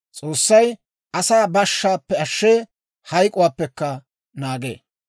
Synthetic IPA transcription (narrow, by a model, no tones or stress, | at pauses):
t͡sʼoːsːɐj | ʔɐsaːbɐʃːaːpːɛɐʃːeː | hɐjkʼʊwaːpːɛkːɐ | naːɡḛː